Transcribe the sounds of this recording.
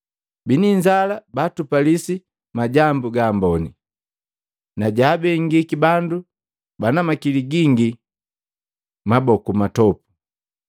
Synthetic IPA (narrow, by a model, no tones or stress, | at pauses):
biniɲd͡ʒalabatupalisi | maɟambuɡaːmbɔni | naɟaːbɛŋɡikibandu | banamakiliɡiŋɡi | mabɔkumatɔpu̥